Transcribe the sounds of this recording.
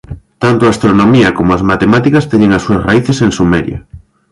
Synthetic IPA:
t̪ant̪oaːst̪ɾonomiɐkomoazmat̪emat̪ikɐst̪eɲeŋasːuɐsraiθesensumeɾjɐ̰

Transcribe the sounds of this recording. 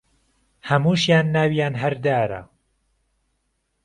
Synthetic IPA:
hɐmuːʃjaːnːaːwjaːnɦɐɾd̪aːɾɐ̰

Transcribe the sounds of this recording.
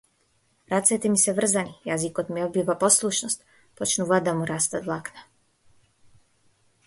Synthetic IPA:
ɾat̪sɛt̪ɛmisɛvr̩zanijazikɔt̪miɔd̪bivapɔslˠuʃnɔst̪ | pɔt͡ʃnuvad̪amuɾast̪ad̪vlˠakna

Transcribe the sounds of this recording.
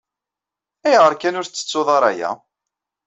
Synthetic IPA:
æjʁəɾkænʊɾθt͡sːə̥t͡sːoðˤɑɾˤæjæ̰

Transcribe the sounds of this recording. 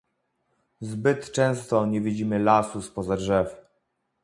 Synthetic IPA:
zbɘt̪t͡ʂɛ̃w̃st̪ɔɲɛvʲid͡ʑimɘlasuspɔzadʐɛf

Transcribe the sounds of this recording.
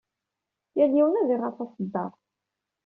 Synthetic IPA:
jæljiwnæðiʁɑθɑsəd̪ːɑɾˤ

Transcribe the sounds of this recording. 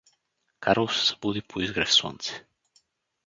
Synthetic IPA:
kaɾolˠsɛ̥zḁbud̪ipʰoizɡɾɛfsɔ̰nt̪sɛ̥

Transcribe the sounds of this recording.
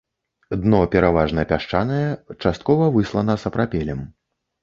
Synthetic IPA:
d̪nɔpʲɛɾavaʐnɐpʲaʂt͡ʂanɐjɛt͡ʂast̪̚kɔvɐvɨslˠɐnɐsɐpɾapʲɛlʲɛm

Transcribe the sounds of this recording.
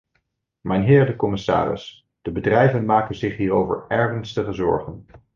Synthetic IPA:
mɛjnɦɪːɹdəkɔmɪsa̰ːrɪ̰s | d̥əbədrɛjvənmaːkənzɪχɦiːɾowvə̰ɹɛɹχənstəχəzɔ̰ɹχən

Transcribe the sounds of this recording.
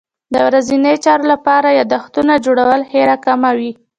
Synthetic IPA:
d̪əwɾazinəjt͡ʃɑɾolapɑɾajad̪axt̪unad͡ʒoɽawəlheɾakamawi

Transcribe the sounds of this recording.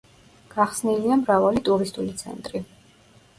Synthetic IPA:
ɡ̥aχsniliamɾavalit̪ʼuɾist̪ʼulit̪sʰɛ̰nt̪ʼɾi

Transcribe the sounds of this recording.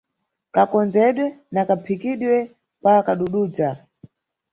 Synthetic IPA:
kakɔnd͡zɛɗwɛnakapʰikiɗwɛ | pakaɗuɗuːd͡za

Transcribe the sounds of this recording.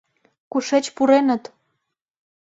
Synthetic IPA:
kuʃet͡ɕpuɾenə̆t̪

